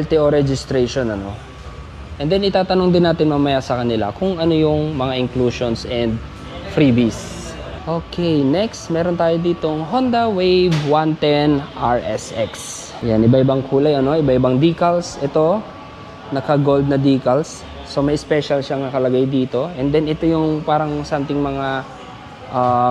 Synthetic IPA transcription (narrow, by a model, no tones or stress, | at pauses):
ɐlt̪ɪoɾɛd͡ʒɪst̪ɾejʃonɐno̞̰ | ʔɛnd̪ɛnʔɪt̪aːt̪ɐnoŋd̪ɪnːaːt̪ɪnmɐmɐjasɐkɐnɪla̰kʊŋʔɐnojʊŋmɐŋaʔɪŋkluʃonsɛnd̪ | fɾibis | ʔokʰɛjnɛkst̪mɛːɾont̪aːjod̪iːt̪o̞ŋɦond̪ɐwejbwant̪ɛnʔaɹʔɛ̰sʔɛks | janʔɪbaʔɪbaŋkʰuːlajɐno̞ʔɪbaʔɪbaŋd̪iːkɐlsʔɛt̪o̞ | nɐkɐɡo̞ld̪̚nɐd̪iːkɐlsː | o̞mɐjspɛʃɐlʃaŋnɐkɐlɐɡajd̪iːt̪o̞ʔɛnd̪ɛnɛt̪ojʊŋpaːɾɐŋsamt̪ɪŋmɐŋa | ʔa